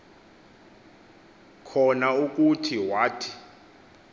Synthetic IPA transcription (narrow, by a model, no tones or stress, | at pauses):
kʰɔnauk̬ʼutʰiwaːtʰi̥